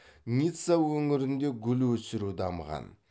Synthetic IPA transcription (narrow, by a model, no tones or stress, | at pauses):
nʲit̪sawɵŋɪɾɪnd̪e̞ɡʲʏlwɵsɪɾud̪ɑmʁɑ̰n